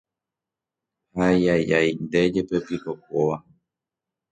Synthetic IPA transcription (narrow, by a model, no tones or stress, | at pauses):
hajajʔajnd̪e̞d͡ʒe̞pe̞pikok̚oʋa